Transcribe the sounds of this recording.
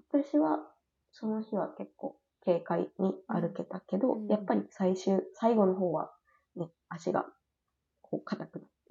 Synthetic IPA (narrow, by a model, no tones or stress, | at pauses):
βat̪aɕiβa | so̞no̞çiβake̞kːo̞ː | ke̞ːkaḭɲ̟iaɾɯ̟ke̞t̪ake̞d̪o̞japːaɾʲisaiɕɨːsaiɡo̞no̞ɦo̞ːβa̰ | ne | aɕiɡa̰ | kʰo̞ːkat̪akɯ̟nat̪ːe̥